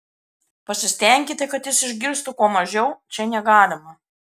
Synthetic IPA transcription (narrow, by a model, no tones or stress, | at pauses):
pɐsʲɪsʲt̪ʲɛˑŋʲkʲɪt̪ʲɪkɐt̪jɪsɪʒʲɡʲɪɾst̪ʊkuɔmɐʒʲɛʊt͡ʃʲɛnʲɛɡɑːlʲɪmɐ